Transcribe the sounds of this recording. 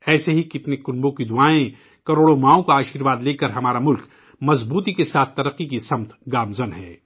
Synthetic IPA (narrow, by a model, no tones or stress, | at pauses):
ɛːseɦikɪt̪nekʊnbõkid̪ʊaːẽ | kɐɾoːɽomaːõkoaːʃiːɾʋaːd̪leːkɐɾɦɐmaːɾamʊlk | mɐzbuːt̪ikesaːt̪ʰt̪ɐɾɐqːikisɐmt̪ɡaːmzɐnɦɛː